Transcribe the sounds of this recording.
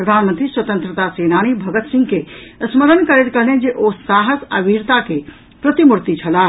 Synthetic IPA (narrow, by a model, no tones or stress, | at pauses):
ɾəd̪ʱaːnmənt̪ɾiswət̪ə̃nt̪ɾət̪aseːnaːñibʱɐɡət̪sɪ̃ŋɡkeəsməɾənkəɾeʈkəɾnẽd͡ʒeʔosaːɦəsə̰ʋiːɾt̪ake | pɾət̪imuɾt̪it͡ʃʰɐlaː